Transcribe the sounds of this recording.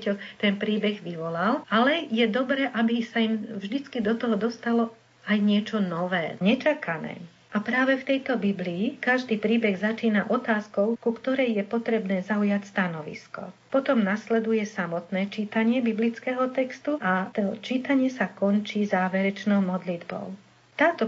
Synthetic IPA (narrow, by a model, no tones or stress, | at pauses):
cɔt̪ɛnpɾiːbɛɣʋiʋɔlalʔalɛjɛd̪ɔbɾɛːʔabisaimvʒd̪it͡skid̪ɔt̪ɔɦɔd̪ɔst̪alɔ | ajɲɪɛt͡ʃɔnɔʋɛːɲɛt͡ʃakʰanɛ̰ː | ʔapɾaːʋɛft̪ɛjt̪ɔbibliːkaʒd̪iːpɾiːbɛɣzat͡ʃiːnaʔɔt̪aːskɔʊkukt̪ɔɾɛjjɛpɔt̪ɾɛbnɛːzaujacst̪anɔʋḭskɔ̰pɔt̪ɔmnaslɛd̪ujɛsamɔt̪nɛːt͡ʃiːt̪aɲɪɛbiblit͡skɛːɦɔt̪ɛkst̪uʔat̪ɔt͡ʃiːt̪aɲɪɛsakɔnt͡ʃiːzaːʋɛɾɛt͡ʃnɔʊmɔd̪lid̪bɔ̰ʊ | t̪aːt̪ɔ